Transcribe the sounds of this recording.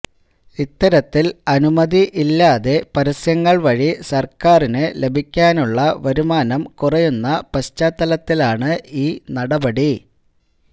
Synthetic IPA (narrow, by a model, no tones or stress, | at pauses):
it̪ːɐɾɐt̪ːilɐnumɐðiʔilːaːðe̞pɐɾɐsjɐŋːɐɭʋɐɻisɐrkaːrinɨle̞bʱikʲːaːnuɭːɐʋɐɾumaːnɐmkurɐjunːɐpɐɕt͡ɕaːt̪ːɐlɐt̪ːilaːɳɨiːnɐɽɐbɐɽi